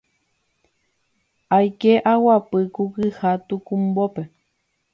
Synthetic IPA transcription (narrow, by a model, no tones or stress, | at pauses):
ajkeʔawapɨkukɨhat̪ukumbope